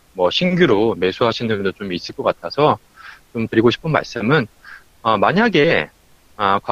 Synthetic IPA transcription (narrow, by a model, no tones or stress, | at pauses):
mwʌɕʰinɡjuɾome̞sʰuɦaɕʰinɯɲedot͡ɕomis͈ɯɭk͈ʌk͈atʰasʰʌ | t͡ɕomtɯɾiɡoɕʰi̥pʰɯnma̰ɭs͈ɯmɯn | ʌmaɲaɡe̞ | ʌkwa